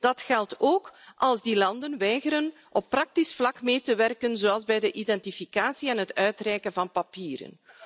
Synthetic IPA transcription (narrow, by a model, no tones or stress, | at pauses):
d̥ɑtxɛltoːkʔɑlˠzdilɑndənʋɛjɣəɾən | ʔɔpːrɑk̚tisflɑkmeːtəʋɛrkənzoːɑlˠzbɛjdəʔidɛntifikaːsiɛnɦətœɥtrɛjkənvɑnpapiːɾə̰n